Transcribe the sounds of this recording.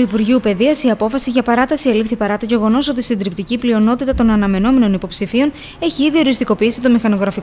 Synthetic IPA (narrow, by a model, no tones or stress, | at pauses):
uipuɾʝiupe̞ðiɐsiɐpo̞fɐsiʝɐpɐɾɐt̪ɐsielifθipɐɾɐt̪oʝe̞ɣo̞no̞so̞t̪isind̪ɾipt̪iciplio̞no̞t̪it̪ɐt̪o̞nɐnɐme̞no̞me̞no̞nipo̞psifio̞n | e̞çiiðio̞ɾist̪iko̞piisit̪omixɐno̞ɣɾɐfi